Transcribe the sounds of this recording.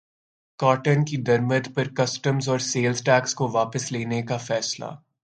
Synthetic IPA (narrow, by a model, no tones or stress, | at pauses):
kaːʈənkid̪ɐɾməd̪pɐɾkɐsʈəmzɔːɾseːlzʈɛːkskoʋaːpəsleːnekafɛːsla̰ː